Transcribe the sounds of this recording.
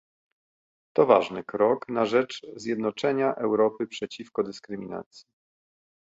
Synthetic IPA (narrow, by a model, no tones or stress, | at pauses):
t̪ɔva̰ʐnɘkɾɔknaʐɛt͡ʂzʲjɛd̪nɔt͡ʂɛɲaʔɛwɾɔpɘpʂɛt͡ɕifkɔd̪ɘskɾɘmʲina̰t̪sʲji